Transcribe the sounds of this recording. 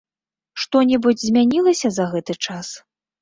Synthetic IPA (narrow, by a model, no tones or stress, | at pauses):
ʂt̪ɔnʲɛbɨd͡zʲzʲmʲanʲilˠɐsʲɐzɐɣɛt̪ɨt͡ʂas